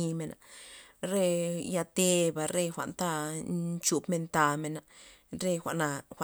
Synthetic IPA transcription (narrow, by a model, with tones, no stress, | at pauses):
i˧me˧˨nʔa̰˨ɾe˦˧ja˧t̪e˧ba˧ɾe˧xʷa̰˨ʔnt̪a˧nt͡ʃu˧bme˧nt̪a˧me˧na˨ɾe˧xʷa̰˨ʔna˧xʷa˨